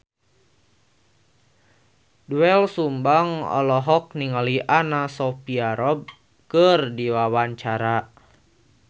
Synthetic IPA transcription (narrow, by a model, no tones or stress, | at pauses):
duɛlsumbaŋɔ̰lɔɦɔk̚niŋaliʔanasɔpiaɾɔb̚ | kərdiwawaɲt͡ʃaɾa